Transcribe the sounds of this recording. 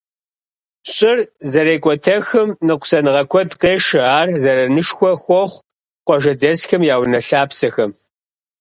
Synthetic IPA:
ɕʼɪrzɐɾeːkʷʼɔtʰɐxɨmnɨqʷʊsɐnɨʁɐkʷʰɔdqeːʃɪaːrzɐɾɐnɨʂxʷɔxʷɔχʷ | qʷɔʒɐdɐsxɐmjaːwnɐɬaːpsɐxɐm

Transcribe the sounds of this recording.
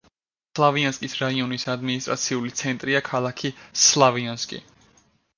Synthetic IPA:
slˠavianskʼisɾaiɔnisad̪minist̪ʼɾa̰t̪sʰiulit̪sʰɛnt̪ʼɾiakʰalˠakʰislˠavianskʼḭ

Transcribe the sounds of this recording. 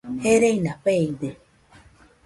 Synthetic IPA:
heɾeinapeid̪e

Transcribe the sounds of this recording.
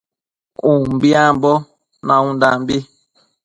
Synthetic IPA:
ũm̩biambɔ | naũndambi

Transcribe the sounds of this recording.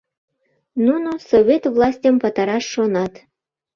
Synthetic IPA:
nunosoβʲet̪vlˠɑsʲtʲəmpɑt̪ɑɾɑʃːonɑt̪

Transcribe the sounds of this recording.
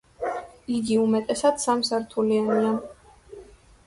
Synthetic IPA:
iɡiumɛt̪ʼɛsad̪̥samsaɾt̪ʰuliania

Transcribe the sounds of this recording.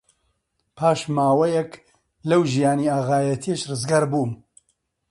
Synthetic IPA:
pʰaːʃmaːwɐjɛk | lɐwʒijaːniaːɣaːjɐt̪ʰieʃrɨzɡaːɾbuːm

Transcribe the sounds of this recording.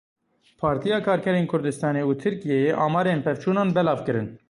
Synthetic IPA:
pʰɑːɾt̪ʰijɑːkʰɑːɾkʰɛɾeːnkʰʊɾd̪ɨst̪ɑːneːuːt̪ʰɨɾkijejeʔɑːmɑːɾeːnpʰɛvt͡ʃʰuːnɑːnbɛlɑːvkɨɾɨn

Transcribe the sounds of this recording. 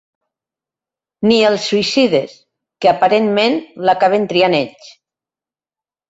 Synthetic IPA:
nielˠsːuisiðes | keapaɾenmẽnlakaβ̞ent̪ɾianeʎt͡ʃ

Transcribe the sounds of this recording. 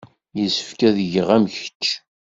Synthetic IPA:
jəsə̥fkæðʝəʁæmçə̥t͡ʃː

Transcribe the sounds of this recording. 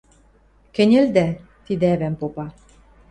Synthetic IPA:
kɘ̆nʲĕld̪æ | t̪id̪ĕæβæmpopɑ

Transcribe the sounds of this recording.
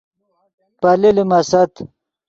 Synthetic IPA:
pɐlilimɐsɐt̪

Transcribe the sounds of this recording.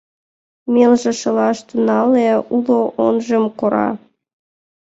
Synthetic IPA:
melʒĕʃɤlɑʃt̪unɑleuloʔonʒemkoɾɑ̰

